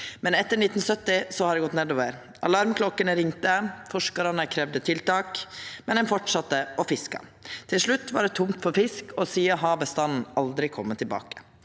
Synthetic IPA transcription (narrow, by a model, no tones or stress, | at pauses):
mɛnɛt̪ːəɳɪt̪ːn̩sœt̪ːɪsɔhɑɖ̪ɛɡɔt̪neːd̪oːʋəɾ | ʔɑlɑɾmkʰlɔkːənəɾɪŋt̪əfɔʂkɑɾɑnəkʰɾɛʋd̪ət̪ʰɪlt̪ɑːkmɛnd̪ɛnfɔʈʂɑt̪ːəɔfɪskɑ̰t̪ʰɪlʂɭʉt̪ːʋɑɖɛt̪ʰʊmt̪fɔɾfɪskɔsiːəɑɦɑːbəst̪ɑnn̩ɑld̪ɾɪkʰɔmːət̪ʰɪlbɑ̰ːkə̥